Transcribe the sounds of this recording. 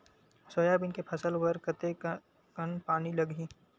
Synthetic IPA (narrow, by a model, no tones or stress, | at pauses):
sojabɪnkepʰɐsəlwɐɾkət̪e | kənpaːnilɐɡʱĩː